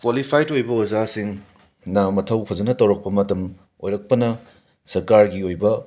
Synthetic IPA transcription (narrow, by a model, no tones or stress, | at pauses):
kwalipʰajtojbɐwɐzasiŋ | nɐmɐtʰɐwpʰɐzɐnɐtɐwɾɐk̚pɐmɐtɐm | ojɾɐk̚pɐnɐ | sɐɾkaɾɡiojbɐ